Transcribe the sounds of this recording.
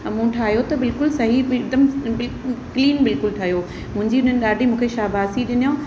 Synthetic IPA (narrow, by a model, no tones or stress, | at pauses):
mũːʈʰaːɦijot̪ɐbɪlkʊlsɐɦid̪əmbɪlkliːnbɪlkʊlʈʰaːɦijo | mʊ̃ɦɪ̃ɲd͡ʑiʊn̤ənɪ̆ɗaːɗʱimũːkʰeʃaːbaːsiɗɪnijõ